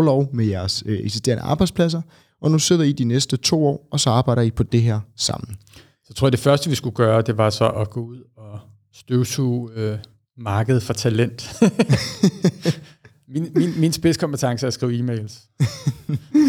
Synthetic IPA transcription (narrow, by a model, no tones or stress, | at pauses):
lɒʊmejæɐseɡ̥sisd̥e̝̰ɐnəʔɑ̈ːb̥ɑ̈ɪd̥spʰlæs̬ɐ | ʔɒ̽nuse̝ð̰ˠɐid̥inesd̥ət͡sʰo̝̰ːɒ̰ːɒ̽sɒ̽ɑ̈ːb̥ɑ̈ɪ̰ɾ̥ɐipʰɒ̽d̥e̝ɦeɐ̰sɑ̈m̰n̩ | sɒ̥t͡sʰoɐjɐd̥e̝fɶɐsd̥əʋisɡ̥uɡ̥ɶːɐd̥e̝ʋɑ̈sɒ̽ʔɒɡ̥ɔuð̞̰ˠɒ | sd̥øʊsʰuø | mɑ̈ːɡ̥əð̞̩ˠfɒt͡sʰælen̰d̥ | minminminsb̥e̝skʰɒ̽mb̥et͡sʰɑ̈ŋsəæsɡ̥ʁḭːʊiːmeɪls